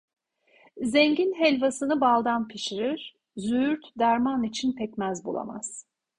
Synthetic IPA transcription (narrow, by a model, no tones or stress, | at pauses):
zɛɲɟinɦɛlʲvasɯnɯbalˠd̪anpʰiʃiɾiɾ̥ | zyyɾt̪d̪æɾmanit͡ʃʰinpʰɛcmæzbṵlˠa̰ma̰z̥